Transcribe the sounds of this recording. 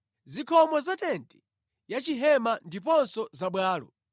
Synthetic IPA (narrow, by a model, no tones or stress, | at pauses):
zikʰɔmɔzatɛntʰɛ̥ | jat͡ʃiɦɛmandipɔnsɔzaɓwaːlɔ̰